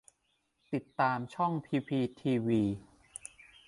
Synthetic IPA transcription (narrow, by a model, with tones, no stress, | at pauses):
t̪i˨˩t̪ːaː˧mt͡ɕʰɔ˥˩ŋpʰiː˧pʰiː˧t̪ʰiː˧wiː˧